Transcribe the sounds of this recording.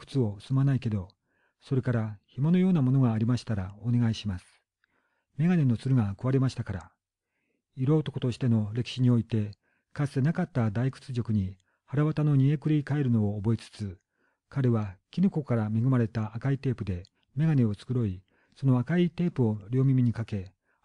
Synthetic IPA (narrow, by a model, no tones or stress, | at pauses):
kɯ̥t͡sɨo̞ɯ̥sɨmanaike̞d̪o̞ | so̞ɾe̞kaɾaçimo̞no̞jo̞ːnamo̞no̞ɡaːɾʲimaɕi̥t̪aɾaone̞ɡaiɕimasɨ̥ | me̞ɡane̞no̞t͡sɨɾɯ̟ɡakɯ̟βaɾe̞maɕi̥t̪akaɾa | iɾo̞ːt̪o̞kot̪o̞ɕi̥t̪e̞no̞ɾe̞kʲi̥ɕiɲ̟io̞it̪e̞ | kasɨ̥t̪e̞nakat̪ːad̪aikɯ̥t͡sɨʑo̞kɯ̟ɲ̟i | haɾaβat̪ano̞ɲ̟ie̞kɯ̟ɾʲikae̞ɾɯ̟no̞ːbo̞et͡sɨ̥t͡sɨ | kaɾe̞βakʲinɯ̟ko̞kaɾame̞ɡɯ̟maɾe̞t̪aʔakait̪e̞ːpɯ̟d̪e̞ | me̞ɡane̞o̞t͡sɨ̥kɯ̟ɾo̞i | so̞no̞akait̪e̞ːpɯ̟o̞ɾʲo̞ːmʲimʲiɲ̟ikake̞